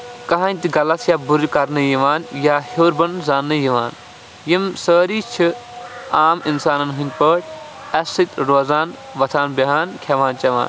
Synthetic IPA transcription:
kɐɦãnʲt̪iɡɐlɐt̪ʰjaːbuɾikɐɾnɨjiʋaːnjaːhoːɾbɐnzaːnːɨjiʋaːn | jimsəːɾiːt͡ʃʰiaːminsaːnɐnɦɨn̚ʲpəːʈ | ɐsit̪ɾoːzaːn | ʋɐt̪ʰaːnbɐɦaːnkʲʰɐʋaːnt͡ʃɐʋa̰ːn

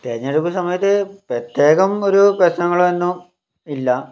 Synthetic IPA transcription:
t̪eːɐɲːɐɽukːusɐmɐjɐt̪ːɨprɐt̪je̞ːɣɐmo̞ɾuprɐɕnɐŋːɐɭumenːum | ilːɐ

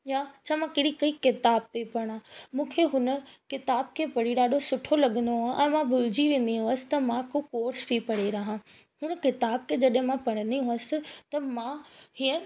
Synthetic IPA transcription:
jaːt͡ɕʰaːmãkɐɽikɐikɪt̪aːb̚pepɐɽ̃ãmũːkʰeɦʊnəkɪt̪aːbkʰepɐɽiɗaːɖʱosʊʈʰolɐɠənd̪oãʔɛ̃ːmãbʊlɪd͡ʑiʋẽːn̆d̪iɦũəsɪ̥̆t̪ɐmãkokoːɾsbʱipɐɽeɾɐɦã | hʊnkɪt̪aːb̚kʰed͡ʑɐɗɦɪ̃mãpɐɽ̃ənd̪iɦʊ̃əsɪ̆t̪ɐmãhiːə̃

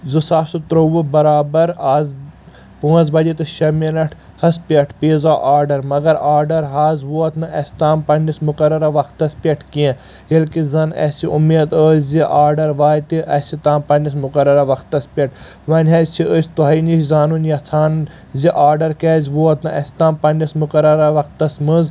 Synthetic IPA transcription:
zɨsaːsut̪ɾowubɐɾaːbɐɾaːz | puɐzbɐd͡ʒit̪ɨʃɐminɐʈʰ | hɐspʲɐʈʰpeːzaːʔaːɾɖɐɾmɐɡɐɾaːɾɖɐɾɦaːzʋoːɐt̪nɨɐsʲt̪aːmpɐnʲismʊkɐɾɐɾaʋɐkt̪ːɐspʲeʈʰkiẽ | ɦilkizɐnɐ̰siʔumːeːd̪əːziʔaːɾɖɐɾʋaːjt̪iʔɐsʲit̪aːmpɐnʲis̬mʊkɐɾɐɾɐʋɐxt̪ːɐspʲeʈ̚ʰ | ʋɐnʲɦɐzt͡ʃʰiəsʲt̪uɦɐiniʃzaːnunjɐt͡sʰaːn | zʲiʔaːɾɖɐɾkɛːzʲʋoɐt̪nɨʔɐsʲt̪ãːmpɐnʲismukɐɾɐɾaʋɐkt̪ːɐsmɨz

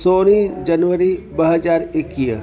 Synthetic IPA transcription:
soːnid͡ʒɐnʋəɾibəɦəd͡ʒaːɾɪkːiə̰

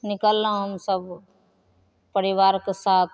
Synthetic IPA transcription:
nɪkəlːãɦəmsəb | pəɾɪʋaːɾkesaːt̪̚ʰ

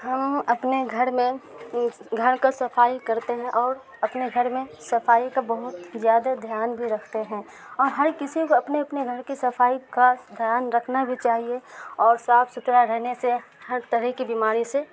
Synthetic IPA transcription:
ɦɐmɐpneɡʱɐɾmẽ | ɡʱɐɾkasɐfaːikɐɾt̪eɦɛ̃ʔɔːɾ | ɐpneɡʱɐɾmẽsɐfaːikabɔɦʊt̪zjaːd̪ad̪ʱjaːnbʱiɾɐkʰt̪eɦɛ̃ː | ɔːɾɦɐɾkɪsikoɐpneɐpneɡʱəɾkisɐfʰaːikad̪ʱjaːnɾɐkʰnabʱit͡ʃaːɦieɔːɾsaːfsʊt̪ɾaɾɛɦnesehɐɾt̪əɾɛɦkibiːmaːɾise

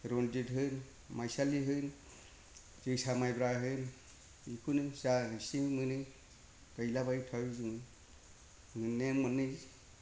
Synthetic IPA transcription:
ɾonditɦɯn | majsaliɦɯn | zɯsamajbɾaɦɯn | ikʰunɯsaɦɯsimɯnɯ | kajlabajtʰawzɯŋɯ | mɯnːeŋmɯnːɯz

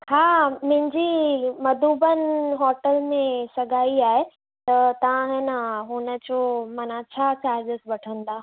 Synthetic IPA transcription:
haːmʊ̃ɦɪ̃ɲd͡ʑimɐd̪uːbənɪɦɔːʈəlmẽsɐɡʱaːiaːɦe | t̪ɐt̪ɐʋãɦnaɦʊnəd͡ʑomɐnãt͡ɕʰaːt͡ɕaːɾd͡ʑəsbɐʈʰə̃nd̪aː

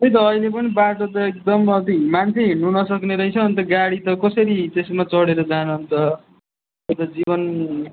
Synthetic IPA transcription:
ʌjt̪̬ʌːijlepʌnibaʈot̪ʌek̚d̪ʌmʌt̪̬imant͡sʰeɦiɳnunʌsʌkneɾʌit͡sʰʌːnt̪ʌɡaɽit̪ʌkʌsʌɾit̪esmat͡sʌɽeɾʌd͡zanuɦʌnt̪ʌ | et̪ad͡zibʌn

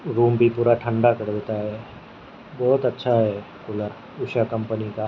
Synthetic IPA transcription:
ɾuːmbʱipuːɾaʈʰə̃ɳɖakɐɽʋet̪aɦɛ | bɔːt̪ɐtːʃʰaɦɛ | kʊləɾ | ʊʃakɐ̃mpənika

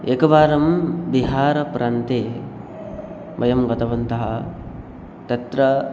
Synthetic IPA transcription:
ekɐʋaːɾɐmbiɦaːɾɐpɾʔaːnt̪eː | bɐjɐmɡɐt̪ɐʋɐnt̪ɐɦɐ | t̪ɐt̪ɾɐ

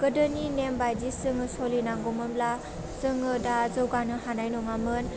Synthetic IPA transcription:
kɯdɯninembajdisɯŋɯsɔlinaŋɡɔmɯmla | sɯŋɯdazɯwɡanɯhanajnɔŋamɯn

